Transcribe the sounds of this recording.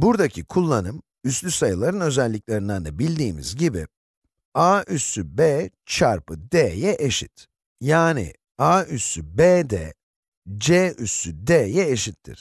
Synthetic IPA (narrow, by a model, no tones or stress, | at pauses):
buɾd̪acʰikʰulˠːanɯm | yslʲysajɯlˠaɾɯnø̞zɛlʲːiclʲeɾind̪and̪abilʲd̪iːmḭzɟibḭ | aysybeːt͡ʃʰaɾpɯd̪ejɛʔeʃḭt̪ | jaːnḭ | aːysybeːd̪ɛ̰ | d͡ʒeysyd̪ejɛeʃit̪ʰːḭɾ̥